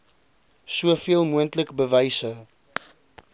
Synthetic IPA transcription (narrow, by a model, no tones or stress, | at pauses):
suəfiəlˠmuəntləkbəvɛjsə